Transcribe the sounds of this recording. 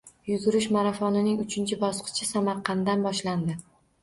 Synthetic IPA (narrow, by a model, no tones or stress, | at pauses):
jʊzʊɾɪʃmaɾafɒnɪnɪŋʊt͡ʃʰɪnt͡ʃʰɪbɒsqʰɨ̥t͡ʃʰɪsamaɾqʰɑnd̪anbɒʃland̪ɪ